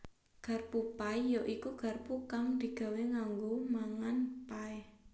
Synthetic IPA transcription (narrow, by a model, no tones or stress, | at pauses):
ɡ̥a̤rpupajɔʔikuɡ̥a̤rpukaŋd̪̥i̤ɡ̥a̤weŋaŋɡomaŋanpaɛ